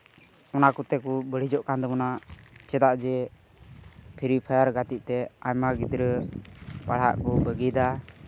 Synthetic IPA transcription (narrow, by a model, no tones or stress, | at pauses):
ɔnakut̪ɛkubəɽ̤id͡ʒɔʔkand̪ɔmɔnat͡ʃɛd̪aʔd͡ʒɛ | pʰiɾipʰajaɾɡat̪iʔ̚t̪ɛajmaɡid̪ɾə | paɽ̤a̰ʔkubəɡid̪a